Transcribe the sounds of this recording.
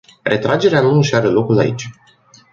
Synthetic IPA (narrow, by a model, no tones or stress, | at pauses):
rʔe̞t̪ɾad͡ʒe̞ɾeanuʃaɾəlo̞kula̰ḭt͡ʃʲ